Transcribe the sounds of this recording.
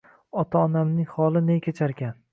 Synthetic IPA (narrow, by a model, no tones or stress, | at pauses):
ɒt̪ʰaɒnamnɪŋhɒlˠɪnejkʲʰet͡ʃʰaɾɡʲan